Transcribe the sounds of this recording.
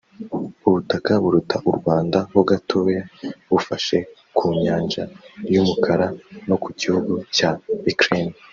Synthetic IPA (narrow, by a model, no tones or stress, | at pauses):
uβutakaβuɾutʰaʔuɾɡwaːndahoɡatʰo̞ːjaβufaʃe̞ | kʰuːɲaːnʒaɾjumukʰaɾano̞kʰuɟihuɡucaikɾen